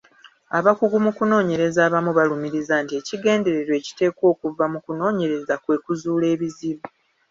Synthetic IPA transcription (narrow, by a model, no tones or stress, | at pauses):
aβakuɡumukuno̞ːɲe̞ɾe̞zaːβamuβalumiɾizaːntie̞ciɡe̞ːnde̞ɾe̞ɾwe̞ːci̥te̞ːkwo̞ːkuvamukuno̞ːɲe̞ɾe̞zakwe̞ːkuzuːle̞ːβiziβu